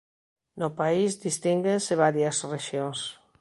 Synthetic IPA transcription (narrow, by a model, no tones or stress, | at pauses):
nopaizd̪ist̪iŋɡenseβ̞aɾjasreʃjoŋs